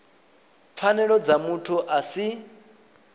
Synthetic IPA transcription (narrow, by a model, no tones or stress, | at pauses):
p̪fʰanɛɺɔd͡zamutʰuʔasi